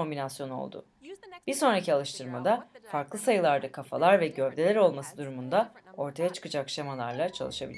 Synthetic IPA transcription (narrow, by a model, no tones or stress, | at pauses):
o̞mbinasjo̞no̞̰lˠd̪ʊ̰ | b̥iɾso̞nɾacialˠɯʃt̪ʰɯɾmad̪afaɾklˠɯsajɯlˠaɾd̪akʰafa̰lˠaɾvɛɟø̞vd̪e̞lʲæɾo̞lˠmasɯd̪uɾumund̪ao̞ɾt̪ʰajat͡ʃʰɯ̥kɯd͡ʒakʃamalˠaɾlˠat͡ʃʰalˠɯʃabilʲ